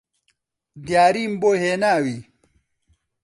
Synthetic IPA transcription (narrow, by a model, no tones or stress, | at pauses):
d̪jaːɾiːmboɦeːnaːwi